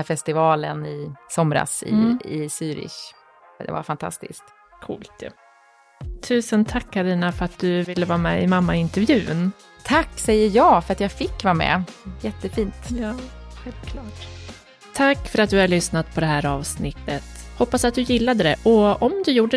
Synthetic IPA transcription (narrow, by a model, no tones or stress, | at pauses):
fɛst̪ɪvɑːlənɪsɔmɾa̰sɪ̰ɪsyːɾɪ̰ʂ | d̪ɛ̰va̰ɾfant̪ʰa̰st̪ɪ̰skt̪ | kʰṵːlt̪ʰjʉ̰ | t̪ʰʉ̟ːsənt̪ʰakʰːaɾiːnafœɾat̪̚d̪ɵvɪlːəvɑːɾmɛɪmamːaɪnt̪ɛɾvjʉ̟ːn | t̪ʰakːsɛjːəɾjɑːfœɾat̪jaːɡfɪkːvɑːɾmɛ̰jɛt̪ːəfiːnt̪jɑːɧɛlt̪kʰlɑːʈ̪ʰː | akːfœɾat̪̚d̪ɵhaɭʏsnat̪̚pʰɔd̪ɛɦæːɾɑːvsnɪt̪ːət̪hɔpːasat̪̚d̪ɵjɪlːad̪əd̪ɛʔɔɔmd̪ɵjuːɖə